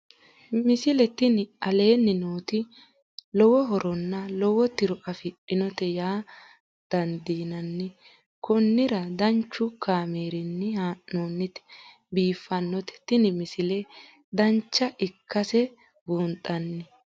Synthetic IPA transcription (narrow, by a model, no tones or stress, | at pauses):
mɪsɪlɛt̪ɪnɪɐle̞ːnːɪnoːt̪ɪ | lɔwɔɦɔɾɔnːɐlɔwɔt̪ɪɾɔʔɐfɪᶑɪnɔt̪ɛjaː | d̪̥ɐnd̪iːnɐnːɪ | kɔnːɪɾɐd̪ɐnt͡ʃːʊkaːmeːɾɪnːɪanoːnːɪt̪ɛ̥ | biːfːɐnːɔt̪ɛ̥t̪ɪnɪmɪsɪlɛ | d̪ɐnt͡ʃːɐʔɪkːɐsɛ | buːnt̪ʼːɐnːɪ